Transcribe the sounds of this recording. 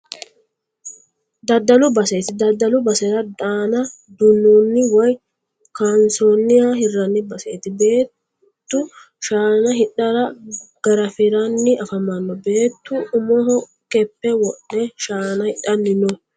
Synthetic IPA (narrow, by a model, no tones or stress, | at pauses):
d̪ɐd̪ːɐlʊbɐseːt̪ɪd̪ɐd̪ːɐlʊbɐsɛɾɐd̪aːnɐ | d̪ʊnːunːɪwɔj | kansonːɪjaɦɪrːɐnːɪbɐseːt̪ɪbe̞ː | t̪ːʊ | ʃaːnɐɦɪɗɐɾɐɡ̥ɐɾɐfɪɾɐnːɪʔɐfɐmɐnːɔbe̞ːt̪ːʊʊmɔɦɔ | kɛpːɛwɔɗːɛʃaːnɐhɪɗɐnːɪnɔ